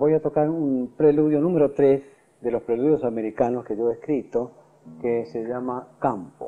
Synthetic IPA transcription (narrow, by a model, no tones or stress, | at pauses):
bo̞jat̪o̞kaɾunpɾeluðjonũmeɾo̞t̪ɾes | d̪elo̞spɾeluðjo̞same̞ɾikano̞skeʎoeskɾit̪o | keseʒamakampo̰